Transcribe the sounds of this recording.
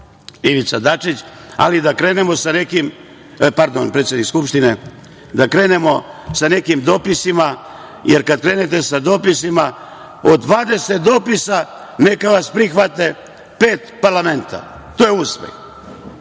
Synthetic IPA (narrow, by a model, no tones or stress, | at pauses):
iʋit̪sad̪at͡ʂit͡ɕ | a̰lid̪akɾe̞nemo̞sanekim | paɾd̪o̞npɾet̪sjeikskupʃt̪ine | d̪akɾe̞ːne̞mo̞sane̞kimd̪o̞ːpisima | jeɾkad̪̚kɾe̞ːne̞t̪e̞sad̪o̞ːpisima | od̪ʋaːd̪e̞set̪̚d̪o̞ːpisa | ne̞kaʋaspɾixʋat̪e̞ | pe̞ːt̪paɾlame̞nt̪ʰa̰ | t̪ojeuspḛx